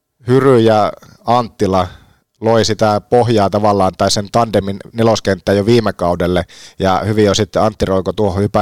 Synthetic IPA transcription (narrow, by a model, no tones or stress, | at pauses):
hyryjɑ | ɑnt̪ːilɑ | loisit̪æpohjɑːt̪ɑʋɑlːɑːnt̪ɑisent̪ɑndeminneloskent̪ːæːjoʋiːmekɑudelːejɑ̰hyʋijosit̪ːeɑnt̪ːiroikot̪uohohypæ